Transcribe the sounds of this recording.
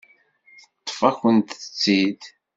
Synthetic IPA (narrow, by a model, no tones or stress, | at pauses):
θət̪ˤːfæçənt̪θə̥t͡sːid̪